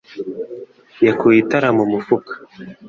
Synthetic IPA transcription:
jakuitaɾamumufukḁ

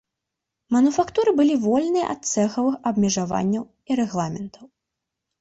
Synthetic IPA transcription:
mɐnufakt̪uɾɨbɨlʲivɔlʲnɨjɐ̰ʔɐ̰t̪̚t̪sɛxɐvɨxɐbmʲɛʐava̰nʲːɐw | iɾɛɣlˠamʲɛnt̪ʰɐw

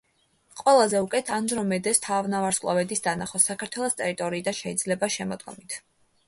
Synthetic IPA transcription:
qʼwɛlˠazɛukʼɛt̪ʰand͡ʒɾɔmɛd̪ɛst̪ʰavnavaɾskʼlˠɔ̰vɛd̪isd̪anaχɔsakʰaɾt̪ʰwɛlˠɔst̪ʼɛɾit̪ʼɔɾiːd̪anʃɛid̪zlɛbaʃɛmɔd̪ɡɔ̰mit̪ʰ

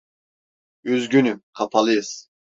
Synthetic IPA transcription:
yzɡʲynykʰapʰalˠɯz̥

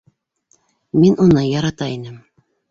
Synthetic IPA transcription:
minunɤjɑɾɑt̪ɑinɘm

